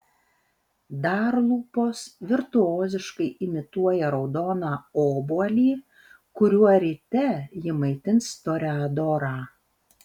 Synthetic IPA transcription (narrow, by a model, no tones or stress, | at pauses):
d̪ɑːɾlˠuːpoːsʋʲɪɾt̪ʊoːzʲɪʃkɐɪʔɪmʲɪt̪uɔjɛɾɒʊd̪oːnɑːoːbuɔlʲiː | kʊɾʲuɔɾʲɪt̪ʲɛjɪmɐɪt̪ʲɪnst̪oːɾʲæːd̪oːɾɑː